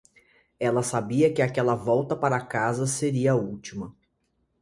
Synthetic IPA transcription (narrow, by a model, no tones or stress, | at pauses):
ɛlɐsabiɐkɪakɛlɐvɔwt̪ɐpaɾɐːkazɐseɾiɐut͡ʃimɐ